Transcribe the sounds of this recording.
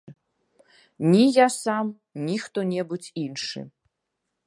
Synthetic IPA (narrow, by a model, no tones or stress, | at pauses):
nʲijasam | nʲixt̪ɔnʲɛbut͡sʲinʂɨ̰